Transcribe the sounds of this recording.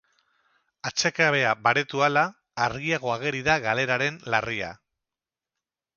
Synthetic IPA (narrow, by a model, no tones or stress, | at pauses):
at͡se̞kaβe̞abaɾe̞t̪ualaː | ɾɣiaɣ̞o̞aɣ̞e̞ɾiðaɣale̞ɾaɾe̞nlaria̰